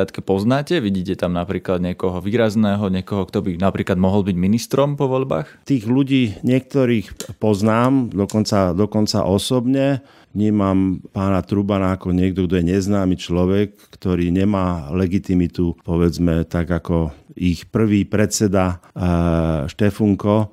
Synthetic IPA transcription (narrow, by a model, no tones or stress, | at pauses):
at̪kɛpɔznaːcɛʋiɟiːcɛt̪amnapɾiːklad̪ɲɛkɔɦɔʋiːɾaznɛːɦɔɲɪɛkɔɦɔkt̪ɔbinapɾiːklad̪mɔɦɔlˠbiɟminist̪ɾɔmpɔʋɔʎba̰ːxt̪iːɣluɟiːɲɪɛk̚t̪ɔɾiːxpɔznaːmd̪ɔkɔnt͡sad̪ɔkɔnt͡sa̰ʔɔsɔbɲɛ | ʋɲiːmampaːnat̪ɾubanaakɔɲɪɛɡd̪ɔɡ̚d̪ɔjɛɲɛznaːmit͡ʃlɔʋɛkːt̪ɔɾiːɲɛmaːlɛɡit̪imit̪upɔʋɛd͡zmɛt̪aɡakɔixpr̩ʋiːpɾɛt̪t͡sɛd̪a | ʃt̪ɛfuŋkɔ